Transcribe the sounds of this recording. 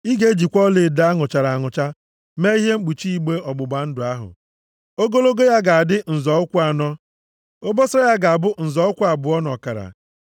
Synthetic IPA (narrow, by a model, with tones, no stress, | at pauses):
i˦ɡe˦d͡ʒi˨kʷɔ˦le˨da˦ŋʊ˨t͡ʃa˨ɾa˨ŋʊ˨t͡ʃa˦ | me˦i˦ɦe˦ŋ͡m̩˦k͡pu˨t͡ʃi˦i˦ɡ͡be˦ɔ˨ɡ͡bʊ˨ɡ͡ba˨n̩˦dʊ˨a˦ɦʊ̰˨ | o˦ɡo˦lo˦ɡo˦ja˦ɡa˨a˨dɪ˦n̩˨zɔ˨ʊ˦kʷu˦a˨nɔ˦ | o˦bɔ˦sɔ˦ja˦ɡa˨a˨bʊ˦n̩˨zɔ˨ʊ˦kʷu˦a˨bʊ˨ɔ˦nɔ˨ka˨ɾa̰˨